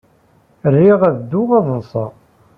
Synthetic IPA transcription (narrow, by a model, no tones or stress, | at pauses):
ərːiʁæðd̪ːuʁɑðˤənsˤɑ̰